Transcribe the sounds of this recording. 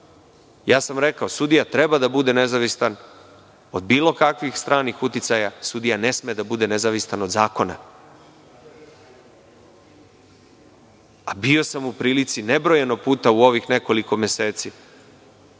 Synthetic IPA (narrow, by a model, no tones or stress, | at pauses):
jaːsamɾe̞kao̞sud̪ijat̪ɾe̞bad̪abud̪e̞ne̞zaʋist̪an | o̞d̪̚biːlˠo̞kakʋixst̪ɾʔaːnixut̪it̪sajasud̪ijane̞smed̪abud̪e̞ne̞zaʋist̪anod̪zaːko̞na̰ | abio̞samupɾiːlit̪sine̞bɾo̞je̞noɡ̚puːt̪auo̞ʋixne̞ko̞liko̞mjese̞ːt̪si